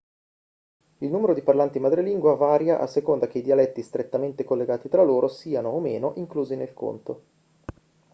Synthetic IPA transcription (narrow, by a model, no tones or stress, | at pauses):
ilnuːmeɾod̪iparlant̪imad̪ɾeliŋɡwavaːɾjaʔa̰sːekond̪ak̟eid̪ialɛt̪ːist̪ɾet̪ːament̪ekolːeɡaːt̪it̪ɾalːoːɾʔosiːanoːmḛːnoʔiŋkluːzinelkʰo̰nt̪o